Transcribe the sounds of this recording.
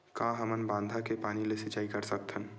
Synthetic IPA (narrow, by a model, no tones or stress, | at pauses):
kãːɦəmənbãːnd̪ʱakepaːnilesɪt͡ʃaːikɐɾsək̚t̪ʰən